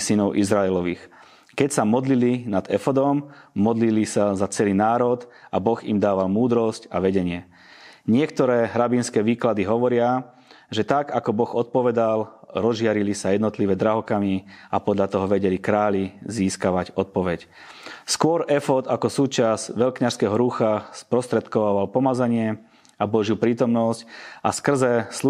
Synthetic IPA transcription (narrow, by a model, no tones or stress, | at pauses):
sinɔʊʔizɾaɛlɔʋiːx | kɛcsamɔd̪lilinad̪ɛfɔd̪ɔmːɔd̪lilisazat͡sɛliːnaːɾɔt̪abɔɣḭmd̪aːʋalmuːd̪ɾɔscaʋɛɟɛɲɪɛ | ɲɪɛkt̪ɔɾɛːɦɾabinskɛːʋiːklad̪iɦɔʋɔɾɪa | ʒɛt̪akakɔbɔɣɔt̪̚pɔʋɛd̪alɾɔzʒɪaɾilisajɛd̪nɔt̪liʋɛd̪ɾaɦɔkamiapɔd̪ʎat̪ɔɦɔʋɛɟɛlikɾaːʎiziːskaʋaɟɔt̪̚pɔʋɛc | skʊɔɾɛfɔt̪akɔsuːt͡ʃazʋɛʎkɲaʃskɛːɦɔɾuxaspɾɔst̪ɾɛt̪kɔʋaːʋalpɔmad͡zaɲɪɛ | abɔʒjupɾiːt̪ɔmnɔsca̰skr̩zɛsu